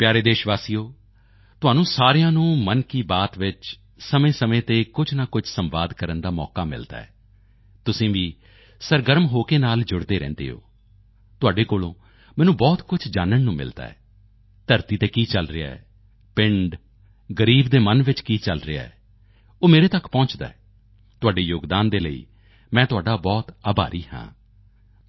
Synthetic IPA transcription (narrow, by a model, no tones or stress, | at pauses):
pjaːɾeːd̪eːʃʋaːsiːoː | t̪ʊɦaːnũːsaːɾejãːnũːmənkiːbaːt̪ʋɪt͡ʃ | səmẽːsəmẽːt̪eːkʊd͡ʒnaːkʊd͡ʒsəmʋa̰ːd̪kəɾənd̪aːmɔ̰ːkaːmɪ̰ld̪a̰ːɛ̰ː | t̪ʊsĩːʋiː | səɾɡəɾmɦoːkeːnaːld͡ʒʊɽd̪eːɾɛ̰̃ːnd̪ḛːɦo̰ː | t̪ʊaːɖeːkoːlõ̰ː | mɛːnũːbɔːt̪kʊt͡ʃʰd͡ʒaːnəɳnũːmɪ̰ld̪a̰ːɛ̰ː | t̪əɾt̪iːt̪eːkiːt͡ʃəlɾɪa̰ːɛ̰ː | pɪɳɖ | ɡəɾiːbd̪eːmənʋɪt͡ʃkiːt͡ʃəlɾɪa̰ːɛ̰ː | oːmeːɾeːt̪əkpɔ̃ːt͡ʃd̪a̰ːɛː | t̪ʊaːɖeːjoːɡd̪aːnd̪eːləḭː | mɛ̃ːt̪ʊaːɖaːbɔːt̪aːbʱa̰ːɾʔiːɦã̰ː